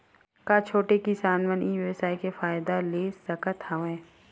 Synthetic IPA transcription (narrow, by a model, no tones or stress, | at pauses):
kaːt͡ʃʰoːʈekɪsaːnʋənʔijuːesaːikefaːjd̪aleːsəkət̪haʋɛ̃ː